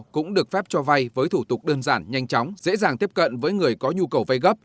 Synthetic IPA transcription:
kʊ̰˧˥ŋ͡mɗɨ˨˩ək̚fɛ˦˥p̚t͡ɕɔ˧va˧jvəː˨˦jt̪ʰu˧˩t̪ʊ˨˩k͡p̚ɗəː˧nzaː˧˩nɲa˧jŋ̟t͡ɕɔ˨˦wŋ͡mz̥ḛ˧˥zaː˨˩ŋt̪i˦˥əp̚kə̰˧˨nvəː˨˦jŋɨ˨˩əjkɔ˨˦ɲu˧kə˨˩wva˧jɣə˦˥p̚

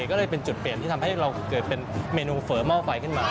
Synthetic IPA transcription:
kɔ˥˩lːjpe˧nt͡ɕu˨˩t̪̚pli˨˩ənt̪iː˥˩t̪ʰmha˥˩jɾa˧wkɤ˨˩t̪̚pe˧nmeː˧nuː˧fɤː˩˦mɔː˥˩fa˧jkʰɯ˥˩nmaː˧

